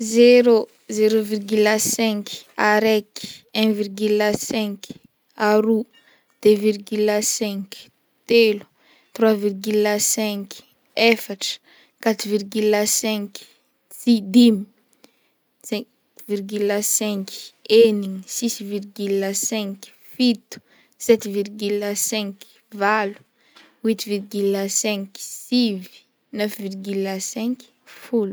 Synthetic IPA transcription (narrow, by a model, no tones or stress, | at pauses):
zeɾo | zeɾovirɡylasɛ̃ŋkaɾeki̥ɛ̃virɡylasɛ̃ŋk | aɾu | d̪̥evirɡylasɛ̃k | t̪elu̥ | t̪rwavirɡylasɛ̃ŋk | efaʈ͡ʂə̥ | kat̪uvirɡylasɛ̃k | sid̪imi | sɛ̃ | virɡylasɛ̃ŋkeniɲsisvirɡylːasɛ̃ŋk | fit̪u̥ | sɛt̪virɡylasɛ̃ŋk | valu̥ | wit̪virɡylasɛ̃ŋksivi̥ | nœfvirɡylasɛ̃ŋk | fulu